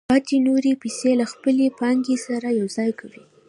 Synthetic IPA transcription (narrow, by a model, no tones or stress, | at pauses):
pɑt̪inoɾepiselaxpəlepɑŋɡesaɾajawzɑjkʰawi